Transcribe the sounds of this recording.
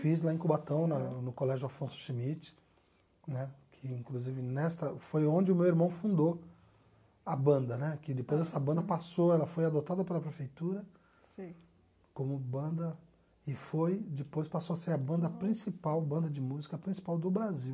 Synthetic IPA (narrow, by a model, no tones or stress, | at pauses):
fizlaẽkubat̪ɐ̃w̃nɐnʊkolɛʒjʊafõsʊ̥ʃimit͡ʃɪ̥ | nɛkʰɪĩkluzivɪnɛst̪ɐfojõd͡ʒɪʊmewiɾmɐ̃w̃fũnd̪o | ɐbɐ̃nd̪ɐnɛkɪd̪ɪpojzɛsɐbɐ̃nd̪ɐpasoɛlɐfojad̪ot̪ad̪ɐpelɐpɾefejt̪uɾɐ | si | kõmʊbɐ̃nd̪ɐ | ɪfojd͡ʒ̪ɪpojspasoɐseɾɐbɐ̃nd̪ɐpɾĩsipawbɐ̃nd̪ɐd͡ʒɪmuzikɐpɾĩsi̥pawd̪ʊbɾaziw